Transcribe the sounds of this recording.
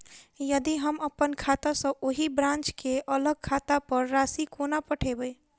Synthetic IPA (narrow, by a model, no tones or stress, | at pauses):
jəd̪iɦəməpənkʰat̪asə̃ʔoɦibɾãnt͡ʃkeʔələɡ̚kʰat̪apəɾːasikonapəʈʰebəj